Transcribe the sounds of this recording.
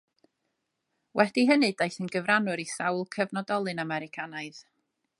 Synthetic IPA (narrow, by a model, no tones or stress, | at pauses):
wʔɛd̥iɦənɨdejθənɡəvranʊɾisawlˠkʰəvnɔdɔlˠɨnamɛɾɪkʰanaɨð̥